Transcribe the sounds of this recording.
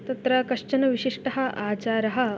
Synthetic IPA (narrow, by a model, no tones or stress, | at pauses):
t̪ɐt̪ɾɐkɐʂt͡ʃɐnɐʋiɕiʂʈɐɦɐ̆ʔaːt͡ɕaːɾɐɦɐ̆